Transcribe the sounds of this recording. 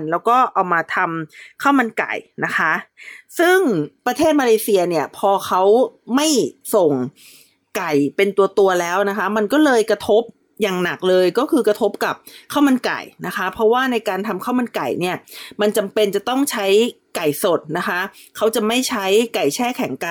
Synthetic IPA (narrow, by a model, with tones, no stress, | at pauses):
nlɛː˦˥wkɔː˥˩ʔa˨˩wmaː˧t̪ʰa˧mkʰa˥˩wma˧nka̰˨˩jna˦˥kʰa˦˥ʔsɯ˥˩ŋpɾa˧t̪ʰeː˥˩t̪̚maː˧leː˧si˧ɐni˥˩ɐpʰɔː˧kʰa˦˥wma˥˩jso˨˩ŋ | ka˨˩jpe˧nt̪u˧ɐt̪u˧ɐlɛː˦˥wna˦˥kʰa˦˥ma˧nkɔː˥˩lɤː˧jkɾa˧t̪ʰo˦˥p̚ | jaː˨˩ŋna˨˩k̚lɤː˧jkɔː˥˩kʰɯː˧kɾa˧t̪ʰo˦˥p̚ka˨˩p̚kʰa˥˩wma˧nka̰˨˩jna˦˥kʰa˦˥pʰɾɔ˦˥waː˥˩na˧jkaː˧nt̪ʰa˧mkʰa˥˩wma˧nka˨˩jni˥˩ɐma˧nt͡ɕa˧mpe˧nt͡ɕa˨˩t̪ɔ˥˩ŋt͡ɕʰa˦˥jka˨˩jso˨˩t̪̚na˦˥kʰa˦˥ | kʰa˦˥wt͡ɕa˨˩ma˥˩jt͡ɕʰa˦˥jka˨˩jt͡ɕʰɛː˥˩kʰɛ˩˦ŋka˨˩